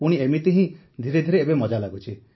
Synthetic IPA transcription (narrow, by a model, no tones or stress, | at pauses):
puɽ̃iemit̪iɦĩ | d̪ʱiɾed̪ʱiɾeːbemɔd͡ʒalaɡut͡ʃʰi